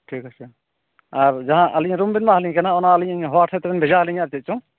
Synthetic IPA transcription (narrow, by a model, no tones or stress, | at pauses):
ʈʰikasu | aɾd͡ʒaɦãʔəliɲɾumbinmaɦaliɲkanaɔnaːliɲaɲɦɔwaʈʰɛt̪ɾɛnbʱɛzaɦaliɲaɾtɛt̪̚t͡ʃɔŋ